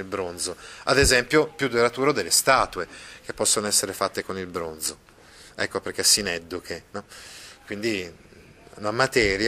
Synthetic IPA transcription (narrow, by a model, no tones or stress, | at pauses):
ilbɾond̪zoa̰d̪ezɛmpjopjud̪eɾat̪uːɾod̪elːest̪aːt̪uek̟epːɔsːonoɛsːeɾefat̪ːekonilbɾond̪zo | ɛ̰kːoperk̟esːinɛd̪ːukʰenɔkwind̪i | a̰namat̪ɛːɾj